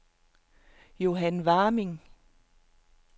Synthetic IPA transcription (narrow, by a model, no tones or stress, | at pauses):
jo̝ɦænʋɑ̈ːmiŋ